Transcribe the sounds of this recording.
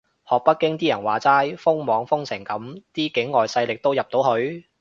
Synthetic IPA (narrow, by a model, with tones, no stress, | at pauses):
hɔː˨˩k̚pɐ˥t̚kːɪ˥ŋt̪iː˥jɐ˨˩nwaː˨˩t͡saː˥jfʊ˥ŋmɔː˨˧˥ŋfʊ˥ŋsɪ˨˩ŋkɐ˨˥mt̪iː˥kɪ˨˥ŋːɔː˨jsɐ˧jlɪ˨k̚t̪o˥wjɐ˨p̚t̪o˨˥wɦɵ˧ɥ